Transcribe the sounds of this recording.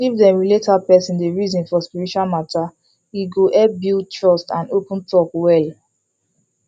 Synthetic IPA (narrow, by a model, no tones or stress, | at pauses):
ivdɛ̃ɹiletalpɛsĩndeɹizɔ̃nfɔspiɹitwalmata | iɡoʔɛbild̚tʰɹɔstãnopũntɔkwɛl